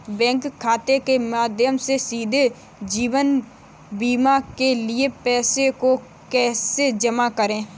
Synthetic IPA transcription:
bɛ̃ːŋkʰːaːt̪ekemaːd̪ʱjəmsesiːd̪ʱe | d͡ʒiːʋən | biːmakelɪepɛːseko | kɛːsed͡ʒəmakəɾẽː

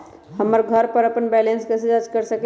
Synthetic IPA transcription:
həmːəɾɡʱəɾpəɾəpənbɛlenskəsid͡ʒad͡ʒkəɾsək

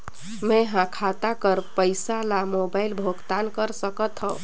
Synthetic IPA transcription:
meɦãkʰat̪akəɾpəjsalamobajlbʱoɡt̪ankəɾsəkət̪ɦɔ̃

